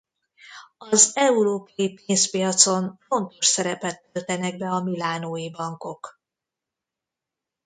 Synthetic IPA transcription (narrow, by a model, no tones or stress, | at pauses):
ɒzɛuɾoːpɒjipeːnspijɒt̪so̞ɱfo̞nt̪o̞ʃsɛɾɛpɛt̪ːølt̪ɛnɛɡ̚bɛɒmilaːnoːjibɒŋko̞k